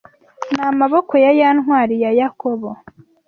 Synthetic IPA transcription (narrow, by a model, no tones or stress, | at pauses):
namaβo̞ko̞jajaːnɦwaːɾijajakoβo